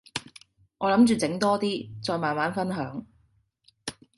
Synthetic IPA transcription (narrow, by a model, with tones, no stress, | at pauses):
ŋɔː˨˧lɐ˨˥mt͡ʃyː˨t͡sɪ˨˥ŋt̪ɔː˥t̪iː˥t͡sɔː˧jmaː˨nmaː˨˥nfɐ˥nɦœː˨˥ŋ